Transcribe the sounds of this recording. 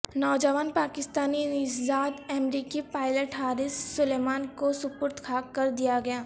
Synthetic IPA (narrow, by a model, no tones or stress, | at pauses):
nɔːd͡ʒəʋaːnpaːkɪst̪aːninɪsd̪aːd̪ɛmɾiːkipaːɪləʈɦaːɾɪsːʊleːmaːnkosʊpʊɾt̪kʰaːkɐɾd̪ijaɡɐjaː